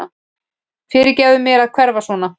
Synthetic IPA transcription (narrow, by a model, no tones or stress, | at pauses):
a | fɪːɾɪɾcɛːðʏmjɛɾaðkʰvɛɾvasvɔːna